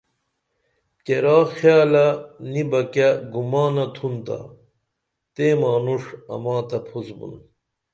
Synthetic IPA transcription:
keɾaːxjaːlɐnibɐkaɡumaːnɐt̪ʰunt̪a̰ | t̪eːmaːnuʂɐ̰maːt̪ɐpʰusbṵn

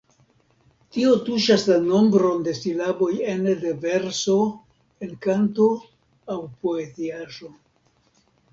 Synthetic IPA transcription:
tio̞tuʃaslano̞mbɾo̞nde̞silabo̞je̞ndeve̞ɾso̞ | e̞nkanto̞ | awpo̞e̞ziaʒo̞

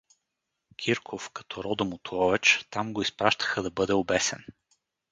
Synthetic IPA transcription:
kʲʰiɾkʰofkɐ̥t̪ɔɾɔd̪ɐmʊt̪ɔvɛt͡ʃt̪amɡoispɾaʃt̪ə̥xəd̪ɐbɤd̪ɛoʊbɛsɛn

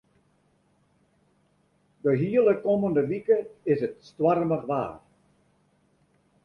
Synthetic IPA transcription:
dəɦiələkoməndəʋikəɪsətstwarməχʋa̰ːr

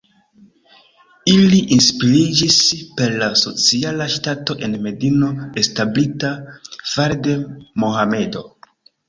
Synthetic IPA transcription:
iliʔinspiɾid͡ʒispe̞ɾlaso̞t͡sialaʃtato̞ʔe̞nme̞dino̞establitafaɾdemohame̞do̞̰

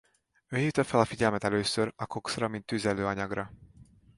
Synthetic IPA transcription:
øːɦiːft̪ɒfɛlɒfiɟɛlmɛt̪ɛløːsøɾɒkoksrɒmint̪ːyzɛløːɒɲɒɡrɒ

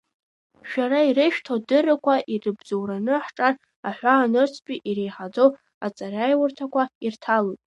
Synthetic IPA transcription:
ʃᶣaɾaiɾeʃᶣtʰodɨrɨkʷʰaʔirɨbd͡zowɾanɨħʈ͡ʂʼar | aħʷaːnɨrt͡sʰpʲʼiʔiɾe̞jħad͡zow | at͡sʼarajwʊrtʰakʷʰairtʰalojtʼ

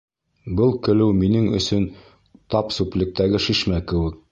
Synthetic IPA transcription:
bɤlˠkɘ̆lɘwminɘŋɵ̰̆sɵn | t̪ɑpsuplʲɘ̆k̚t̪æɡɘʃiʃmækɘ̆wɘk̚

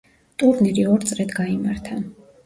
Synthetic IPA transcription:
t̪ʼuɾniɾiɔɾt̪sʼɾɛd̪ɡaimaɾt̪ʰa

